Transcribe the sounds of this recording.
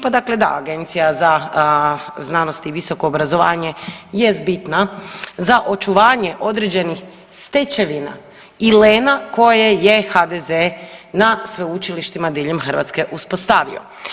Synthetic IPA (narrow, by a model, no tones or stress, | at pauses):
pad̪akle̞d̪a̰a̰ɡe̞nt̪sijaza | znanost̪iʋiso̞ko̞ːbɾazo̞ʋaːɲe̞je̞st̪̚bit̪nazaʔo̞t͡ʃuʋaːɲe̞ʔo̞d̪ɾed͡ʑe̞nix | st̪et͡ʃe̞ʋina̰ | ileːnako̞jeje̞xad̪ezenasʋeut͡ʃiliʃt̪imad̪iʎemxr̩ʋa̰t̪ske̞ʔuspo̞st̪aʋḭo̞̰